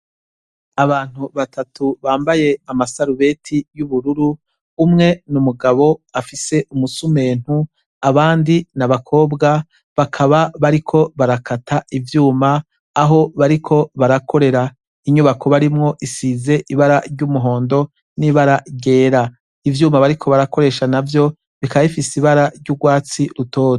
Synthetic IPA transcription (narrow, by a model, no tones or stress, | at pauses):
aβaːn̥huβatʰatʰuβaːmbaje̞amasaɾuβe̞tʰijuβuɾuɾuː | mŋe̞numuɡaβo̞afise̞umusume̞ːn̥hu | aβaːndinaβakʰo̞ːbɡa | βakʰaβaβaɾikʰo̞βaɾakʰatʰaivjuːmaː | ɦo̞βaɾikʰo̞βaɾakʰo̞ɾe̞ɾa | iɲuβakʰo̞βaɾimŋo̞ʔisize̞ʔiβaɾaɾɟumuɦo̞ːndo̞ | niβaɾaɾɟe̞ːɾa | ivjuːmaβaɾikʰo̞βaɾako̞ɾe̞ʃanavjo̞ | βikaβaifisiβaɾaɾɟuɡwaːt͡siɾuto̞ːt